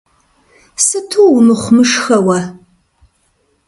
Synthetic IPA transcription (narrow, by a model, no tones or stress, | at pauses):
sɨtʰuːwnɨχʷmɨʂxɐwɐ